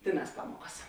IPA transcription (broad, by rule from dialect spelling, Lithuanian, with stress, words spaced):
ˈtʲeːˌnɑːs ˈpɑːmuɔkɐs